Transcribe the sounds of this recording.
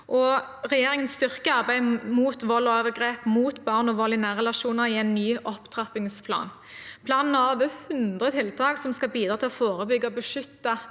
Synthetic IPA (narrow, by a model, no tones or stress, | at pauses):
ʔɔʁɛjeːʁɪŋənst̪ʏʁkəɑʁbæɪmuːt̪ʋɔlːɔoːʋəɡʁeːpmuːt̪bɑʁnɔʋɔlɪnæːʁɛlɑʃuːnəɾɪæɪnːyːʔɔpt̪ʰʁɑpɪŋspʰlɑ̰ːn | pʰlɑːnn̩ɑʋəhʉnd̪ʁət̪ʰɪlt̪ʰɑːksɔmskɑlbiːd̪ɾɑːt̪ɪlɔfoːɾəbʏɡːəɔbəʂʏt̪ːə